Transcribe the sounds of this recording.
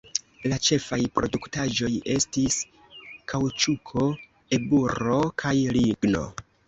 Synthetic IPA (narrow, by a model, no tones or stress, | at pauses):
lat͡ʃe̞fajpɾo̞duktaʒo̞je̞stis | kʰawt͡ʃukʰo̞ | e̞buɾo̞kʰajliɡno̞̰